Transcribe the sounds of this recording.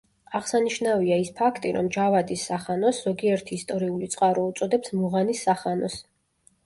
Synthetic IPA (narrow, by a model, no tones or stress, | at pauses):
aʁsaniʃnaviaispʰakʰt̪ʼiɾɔ̰md͡ʒavad̪isːaχanɔsz̥ɔɡiɛɾt̪ʰiːst̪ʼɔɾiulit̪sʼqʼaɾɔut̪sʼɔd̪ɛpsmuʁanisːaχanɔs